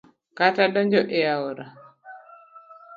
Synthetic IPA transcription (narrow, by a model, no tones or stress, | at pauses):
katadɔɲd͡ʒɔʔeaoɾa